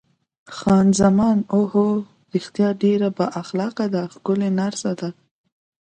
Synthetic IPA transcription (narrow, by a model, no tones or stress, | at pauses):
xɑnzamɑnoho | ɾixt̪jɑɖeɾabaʔaxlɑqad̪axkʊlenaɾsad̪a